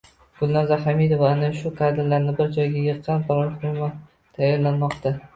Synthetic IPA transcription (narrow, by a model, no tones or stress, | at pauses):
ɡ̥ʊlˠnazahamid̪ovaːnaʃʊqʰɑd̪ɪllaɾnɪbɪɾd͡ʒɒjɡʲajɨɾ̚qʰːɑnpʰaɾɒɾχʊʊma | t̪ʰajːaɾlanmɒqt̪a